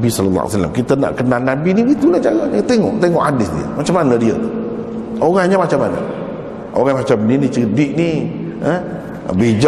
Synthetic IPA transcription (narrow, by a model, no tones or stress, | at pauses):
bisɔlɔlːɑ̰a̰sala̰mkit̪əna̰ʔkənalnabinibit̪ulad͡ʒaɣaɲət̪eŋɔ̰ʔt̪eŋɔʔadɪsdḭə̰mat͡ʃamanədiə̰t̪u | oɾaŋɲamat͡ʃamanə̰ | ʔo̰ɾaŋmat͡ʃamninit͡ʃədiʔni | ə | bed͡ʒ